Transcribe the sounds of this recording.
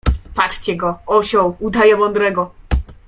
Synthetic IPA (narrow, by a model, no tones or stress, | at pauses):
pat͡ʂt͡ɕɛɡɔɔɕɔ̃wud̪ajɛmɔnd̪ɾɛɡɔ